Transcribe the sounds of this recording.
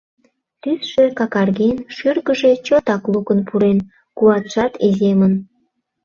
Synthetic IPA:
t̪ysʃekɑkɑrɣenʃyrɣəʒe̽t͡ɕot̪ɑklukənpʰuɾen | kuɑt̪ʃɑt̪izemən

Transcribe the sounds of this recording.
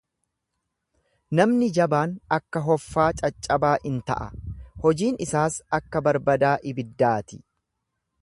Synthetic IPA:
nɐmnɪd͡ʒɐbaːnɐkːɐɦɔfːaːt͡ʃʼɐt͡ʃʼːɐbaːʔɪnt̪ɐ̰ʔɐhɔd͡ʒiːnɪsaːsɐkːɐbɐɾbɐd̪aːʔɪbɪd̪ːaːt̪ɪ̥

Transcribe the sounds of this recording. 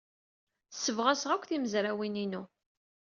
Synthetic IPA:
sːəvʁasʁækʷːθiməzɾawininu

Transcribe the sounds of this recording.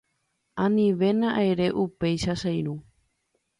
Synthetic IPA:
ãnĩʋe̞nãʔajɾe̞ʔupe̞jʃasajɾu

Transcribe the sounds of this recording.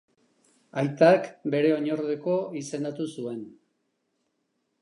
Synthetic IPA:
ajt̪akbe̞ɾe̞o̞ɲo̞ɾðeko̞ise̞nd̪at̪usue̞n

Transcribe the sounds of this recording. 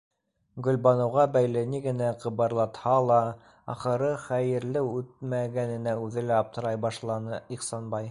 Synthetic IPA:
ɡɵ̆lbɑnŏwʁɑbæjlɘniɡɘ̆næqɤ̆βɤɾlˠɑt̪hɑlˠɑ | ɑ̰χɤ̆ɾɤχæjɘ̆ɾlɘʉt̪̚mæɡænɘ̆næʉðɘlæɑp̚t̪ɤ̆ɾɑjbɑʃlˠɑnɤiχsɑnbɑj

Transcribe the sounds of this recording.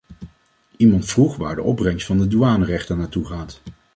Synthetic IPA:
imɑntfruχʋaːɹdə̰ʔɔb̚rɛŋstfɑndəduaːnərɛχtənaːɹtuχaːt

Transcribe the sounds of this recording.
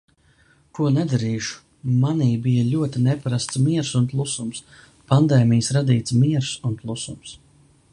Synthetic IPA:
kuɔnɛd̪aɾiːʃu̥ | maniːbijalʲuɔt̪inɛpaɾast̪smiɛɾsunplˠusums | pand̪ɛːmijəsɾad̪iːt̪smiɛɾsunplˠusums

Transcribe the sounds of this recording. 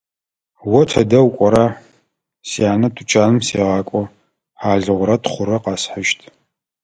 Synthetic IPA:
wɔtʰɐdɐwkʷʼɔɾa | siaːnɐtʰʼut͡ʃʰʼaːnɨmsḛːʁɑːkʷʼɔ | ħaːɮɨʁʷʊɾɐtχʷʊɾɐqɑːsħəʃtʰ

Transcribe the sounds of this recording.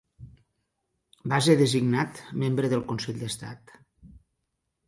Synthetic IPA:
baseðəziɡnat̪membɾəðəlˠkunseʎd̪əst̪a̰t̪

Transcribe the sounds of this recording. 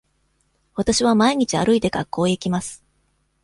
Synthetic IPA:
βat̪aɕiβamaiɲ̟it͡ɕia̰ɾɯ̟it̪e̞kakːo̞ːikʲimasɨ̥

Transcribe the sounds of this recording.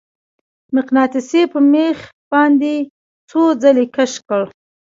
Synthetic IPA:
mɪqnɑt̪ɪsepəmex | b̥ɑnd̪e | t͡sod͡zalekaʃkəɭ

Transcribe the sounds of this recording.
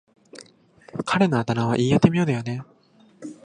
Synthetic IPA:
kʰaɾe̞noat̪anaβa̰ʔiːjat̪e̞mʲijoːd̪ejone̞

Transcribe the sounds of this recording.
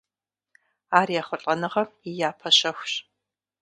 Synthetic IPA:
aːrijaːχʷʊɬʼɐnɨʁɐijaːpʰɐɕɐxʷɕ

